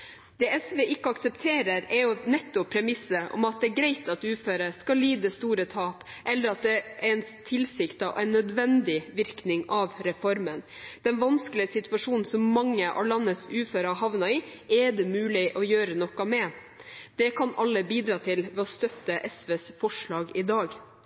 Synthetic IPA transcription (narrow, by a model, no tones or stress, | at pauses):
d̪̥ɛːɛsʋeːʔɪkːəɑksɛpt̪ʰeːɾəɾɛɾjʊnɛt̪ːɔpʰːɾɛmɪsəʔɔ̰mɑt̪̚d̪ɛːɡɾæɪt̪ɑt̪ʉːføːɾəskɑliːd̪əst̪uːɾət̪ʰɑːpʔɛlːəɾɑt̪̚d̪ɛʔɛɾɛnt̪ʰɪlsɪkt̪ɑʔɛɪnːœd̪ʋɛnd̪ɪʋɪɾknɪŋɑʋɾɛfɔɾmən | d̪̥ɛnʋɑnskəlɪəsɪt̪ʉʋɑʂuːnn̩sɔmːɑŋːəʔɑ̰lɑnːəsʉːføːɾɑɦɑʋnɑɪɛd̪ɛmʉːlɪʔɔjøːɾənɔkːɑmɛ | d̪̥ɛkʰɑnɑlːəbiːd̪ɾɑːt̪ʰɪlʋɛːɔst̪œt̪ːəʔɛsʋeːsfɔʂɭɑːɡɪd̪ɑːɡ